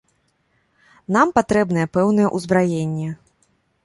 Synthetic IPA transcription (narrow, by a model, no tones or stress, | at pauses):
nampat̪ɾɛbnɐjɛpɛwn̪ɨjɛʔuzbɾajenʲːɛ